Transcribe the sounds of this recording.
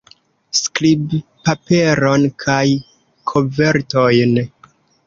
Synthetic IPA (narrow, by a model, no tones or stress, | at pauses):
skɾibipape̞ɾo̞nkʰaj | kʰove̞ɾto̞jn